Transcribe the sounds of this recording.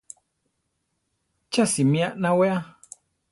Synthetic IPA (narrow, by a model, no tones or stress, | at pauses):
t͡ʃasimĩaʔnãwɛa